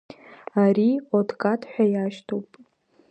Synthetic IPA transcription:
aɾiodʰkʼatʰħʷᶣajaʃtʰowpʼ

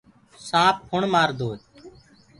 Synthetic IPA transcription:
sãːp̚hʊɳmaːɾd̪oːe

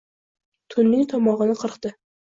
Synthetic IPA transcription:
t̪ʰʊnːɪŋt̪ʰɒmɒʁɨnɪqʰəɾqt̪ɪ

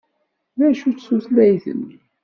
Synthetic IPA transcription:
ðæʃut͡ssuθlæjθə̰n

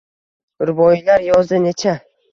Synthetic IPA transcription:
ɾbɒjɪlaɾjɒzd̪ɪnet͡ʃʰa

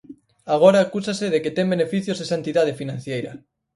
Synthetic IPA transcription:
aɣ̞oɾaːkusaseðeket̪ɛŋbenefiθjozðesant̪iðað̞efinãn̟θjejɾɐ̰

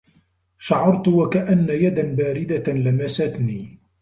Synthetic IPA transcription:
ʃaʕɑɾt̪ʊwakaʔanːajad̪anbaːɾɪd̪alamasat̪niː

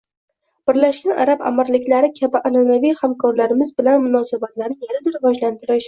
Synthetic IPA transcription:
b̥ɪɾlaʃɡʲanʔa̰ɾaba̰maɾlɪkʲlaɾɪkʲʰabɪʔananavijhamkʰɒɾlaɾɪmɪzbɪlanmʊnɒsabat̪laɾnɪŋjanad̪ɪɾɪvɒd͡ʒlant̪ʰɪɾɪʃ

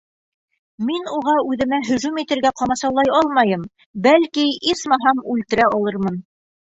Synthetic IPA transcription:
minuʁɑʉðɘ̆mæɦɵ̆ʒʉmit̪ɘ̆ɾɡæqɑmɑsɑwlˠɑjɑlˠmɑjɤm | bælkiismɑɦɑmʉlt̪ɘ̆ɾæɑlˠɤɾmɤn

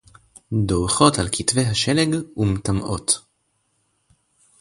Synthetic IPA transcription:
doʁχo̞talkitvejɦaʃeleɡumtamʔo̞t

